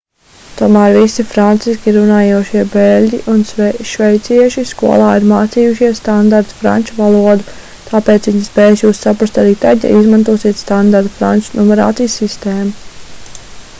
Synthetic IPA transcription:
t̪uɔmæːɾvisifɾant̪siskʲiɾunaːjuɔʃiɛbɛlʲɟiʔunsʃvɛjt̪siɛʃiskuɔlˠaːiɾmaːt̪siːjuʃiɛst̪and̪aɾt̪u̥fɾa̰nt͡ʃuvalˠuɔd̪u | t̪ʰaːpeːt̪sʋiɲspɛːjsjuːsːapɾast̪aɾiːt̪aɟa̰izmant̪uɔːsiɛt̪st̪and̪aɾt̪u̥fɾa̰nt͡ʃunɔmɛɾa̰ːt̪sijsːist̪eːmu

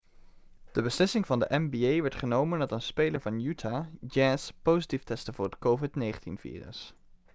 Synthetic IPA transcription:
d̥əbəslɪsɪŋvɑndəʔɛmbiejʋɛɹtχənowməndɑtənspejləɹvɑnjytʰaːd͡ʒɛspozitiftɛstəvʊːɹrɦətkowvɪtnejχəntḭnv̥ḭːrə̰s

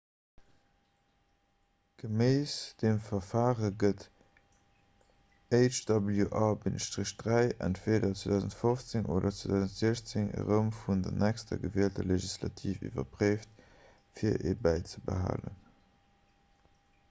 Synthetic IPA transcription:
ɡ̥əmeɪsd̥emfɐfaːʁəɡət | eɪt͡ʃd̥ɑbəljuʔɑːbinəʃtʁiʃd̥ʁæɪʔæ̰ntveːdɐt͡swedɑʊzəntfoft͡seŋʔo̰ːdɐt͡swedɑʊzəntz̥eːɕt͡seŋə̰ʁəmfundɐ̰nʔækstʰɐ̰ɡəveəltəleʒislɑ̰tʰiːfḭːvɐ̰pʁeɪft | fiːɐʔḛbæɪt͡səbə̰ɦa̰ːlə̰n

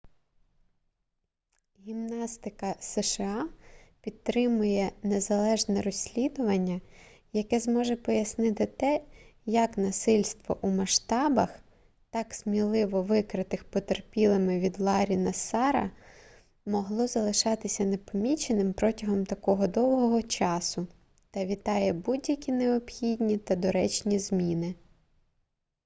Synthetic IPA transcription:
ɦʲimnɑst̪ɪkɐsɛʃeɑpʲid̪̚t̪ɾɪmʊjɛnezɐlˠɛʒnɛɾɔsʲlʲid̪ʊʋɐnʲːɐ | jɐkɛzmɔʒɛpɔjɐsnɪt̪ɪt̪ɛjɐknɐsɪlʲst̪ʋɔ̰ʔumɐʃt̪ɑbɐx | t̪ɑksʲmʲilˠɪʋɔʋɪkɾɪt̪ɪxpɔt̪erpʲilˠɪmɪʋʲid̪lˠɑɾʲinɐsɑɾɐ̰ | mɔɦlˠɔzɐlˠɪʃɑt̪ɪsʲɐnepɔmʲit͡ʃenɪmpɾɔtʲɐɦɔmt̪ɐkɔɦɔd̪ɔwɦɔɦɔt͡ʃɑsʊ | t̪ɐʋʲit̪ɑjɛbudʲjɐkʲineɔpxʲidʲnʲit̪ɐd̪ɔɾɛt͡ʃnʲizmʲinɪ

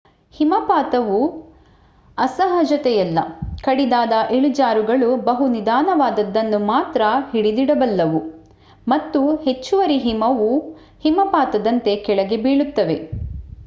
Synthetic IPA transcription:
himɐpaːt̪ɐʋu | ɐsɐɦɐd͡ʒɐt̪ɛjɐlːɐ̰kɐɽid̪aːd̪ɐʔeɭud͡ʒaːɾuɡɐɭubɐɦunid̪aːnɐʋaːd̪ɐd̪ːɐnːumaːt̪ɾɐhiɽid̪iɽɐbɐlːɐʋu | mɐt̪ːuhe̞t͡ʃːuʋɐɾiɦimɐʋu | himɐpaːt̪ɐd̪ɐnt̪e̞kɛɭɐɡebiːɭut̪ːɐʋe̞

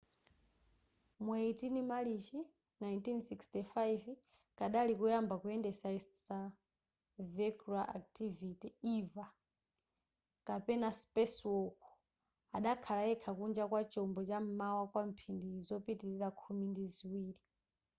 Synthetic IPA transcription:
mweitinimalit͡ʃi | najntinsikstifajv | kaɗalikujambakuɛndɛsaistɾa | vɛkuɾaʔa̰k̚tivitiiva | kapɛnaspɛswɔku̥ | aɗakʰalaɛkʰakund͡ʒakwat͡ʃɔmbɔt͡ʃam̩mawakwam̩pʰindiːzɔpitiɾiɾakʰumindiziwiːɾi

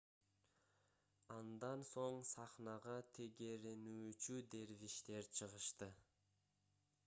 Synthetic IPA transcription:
ɑnd̪ɑnso̞ɴsɑχnɑʁɑt̪ʰe̞ɡe̞ɾe̞nyːt͡ʃyd̪e̞ɾviʃt̪e̞ɾt͡ʃʰɯʁəʃt̪ɯ

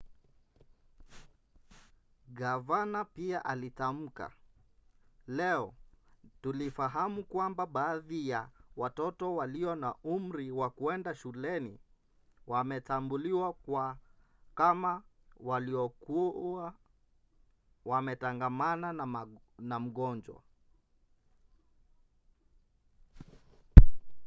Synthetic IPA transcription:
ɡavanapiaʔalitam̩ka̰ | lɛɔtulifaɦamukwambaɓaːðijawatɔtɔwaliɔnaʔum̩ɾiwakuɛndaʃulɛni | wamɛtambuliwakwa | kama | waliɔku | wamɛtaŋɡamana | nam̩ɠɔnd͡ʒwa̰

